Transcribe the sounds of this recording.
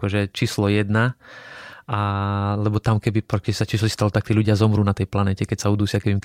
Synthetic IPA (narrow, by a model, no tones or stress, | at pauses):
kɔʒɛt͡ʃiːslɔjɛd̪na | ʔalɛbɔt̪amkɛbipɔkɛsat͡ʃiːslɔist̪alɔt̪akt̪iːluɟɪazɔmɾuːnat̪ɛjplanɛcɛkɛcsaud̪uːsɪakɛim